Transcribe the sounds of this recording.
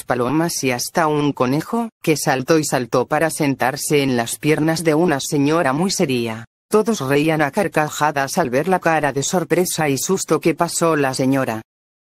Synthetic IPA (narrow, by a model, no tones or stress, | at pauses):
spalomasiast̪auŋko̞ne̞xoke̞salt̪o̞isalt̪o̞paɾase̞nt̪aɾse̞ːnlaspje̞ɾnazðe̞unase̞ɲoɾamujse̞ɾia | t̪o̞ðo̞sreianakaɾkaxaðasalβe̞ɾlakaɾaðe̞so̞ɾpɾe̞saisust̪o̞ke̞pasolase̞ɲoɾa